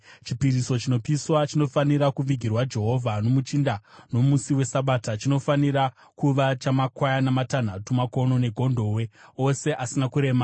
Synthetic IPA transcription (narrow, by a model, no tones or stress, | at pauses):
t͡ʃipiɾiso̞t͡ʃino̞piswat͡ʃino̞faniɾakuʋiɡʱirwad͡ʒe̞ɦo̞vʱano̞mut͡ʃindano̞musiwe̞saɓatat͡ʃino̞faniɾa | kuʋat͡ʃamakwajanamatan̤atumako̞no̞ne̞ɡʱo̞ndʱo̞we̞o̞se̞ʔasinakuɾe̞ːma